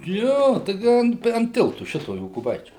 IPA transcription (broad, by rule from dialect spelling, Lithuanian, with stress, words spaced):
ˈjoː tɐɪˈɡʲɪ ɐn ɐn ˈtʲɪlˠtʊ ˈʃʲɪtoː joːkʊˈbɐɪt͡ʃʲuː